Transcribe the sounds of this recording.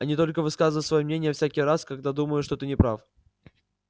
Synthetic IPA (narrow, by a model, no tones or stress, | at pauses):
ɐnʲit̪o̞lʲkəvɨskazənəsvɐjomnʲenʲɪjəfsʲækʲɪjɾaskɐɡ̚d̪ad̪uməjʊʂt̪ot̪ɨnʲɪpɾaf